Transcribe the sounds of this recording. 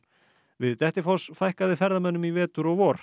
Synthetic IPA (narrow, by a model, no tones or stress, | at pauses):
vɪðt̪ɛht̪ɪfɔsfajhkaðɪfɛɾðamɛnːʏmivɛːt̪ʏɾɔɣvɔːɾ̥